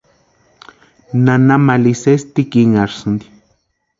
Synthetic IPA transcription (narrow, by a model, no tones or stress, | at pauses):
nanamalisest̪ikiŋaɾsɨnd̪i̥